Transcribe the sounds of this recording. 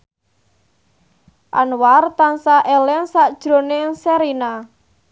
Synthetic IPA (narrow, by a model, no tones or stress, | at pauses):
ʔa̰nwart̪ansaʔɛlɛnsaʔd̥ʒ̥ɾo̤neŋsɛɾina